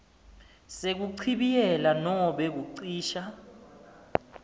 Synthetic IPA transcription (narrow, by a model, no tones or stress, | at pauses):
sek̬uǀʰiɓijɛlanɔɓɛk̬uǀiːʃa